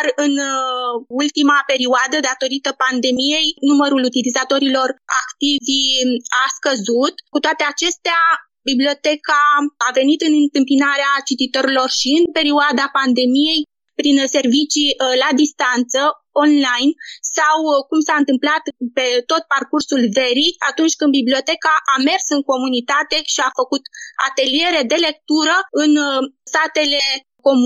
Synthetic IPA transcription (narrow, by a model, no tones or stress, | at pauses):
rɨn | ult̪imape̞ɾioad̪əd̪at̪o̞ɾit̪əpand̪e̞mije̞jnuməɾulut̪ilizat̪o̞ɾilo̞ra̰kt̪iviaskəzut̪kut̪oat̪eat͡ʃe̞st̪ea | biblio̞t̪e̞kaːve̞nit̪ɨnɨnt̪ɨmpinaɾeat͡ʃit̪it̪o̞ɾilo̞rʃiɨnpe̞ɾioad̪apand̪e̞mije̞j | pɾinse̞rvit͡ʃilad̪ist̪ant̪sə | o̞nlajnsawkumsaɨnt̪ɨmplat̪pe̞t̪o̞t̪̚parkursulve̞ɾiat̪unt͡ʃʲkɨnd̪biblio̞t̪e̞kaʔame̞rsɨŋko̞munit̪at̪e̞ʃiafəkut̪a̰t̪e̞lie̞ɾe̞d̪e̞le̞k̚t̪uɾəɨnst̪at̪e̞le̞ | ko̞m